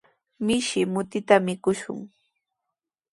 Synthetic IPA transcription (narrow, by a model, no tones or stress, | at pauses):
mɪʃɪmʊt̪ɪt̪amɪkʊʃʊ̰ŋ